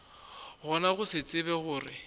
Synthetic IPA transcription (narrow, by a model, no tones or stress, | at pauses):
ɣɔnaɣʊsɪt͡sʼɪbɛɣʊːrɪ